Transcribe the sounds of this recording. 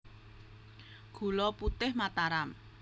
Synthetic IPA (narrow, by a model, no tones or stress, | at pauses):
ɡ̥ṳlɔput̪ɪhmat̪aɾam